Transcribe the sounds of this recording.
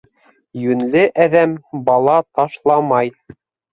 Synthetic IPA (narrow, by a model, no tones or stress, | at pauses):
jɵ̆nlɘʔæðæmbɑlˠɑt̪ɑʃlˠɑmɑj